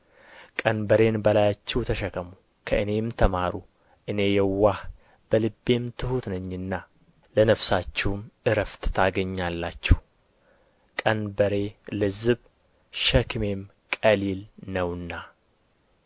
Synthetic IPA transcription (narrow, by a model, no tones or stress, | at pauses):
kʼənbəɾe̞nbəlajat͡ʃːɛwt̪ʰəʃəkʰəmu | kʰəʔɨne̞mt̪ʰəmaɾu | ʔɨne̞jɛwːah | b̥əlɨbːe̞mt̪ʰɨhut̪nəɲːɨnːa | lənəfsat͡ʃːɛwmʔɨɾəft̪t̪ʰaɡəɲːalːat͡ʃːɛw | kʼənbəɾe̞lɨzɨβ | ʃɛkme̞m | kʼəlilnəwɨnːa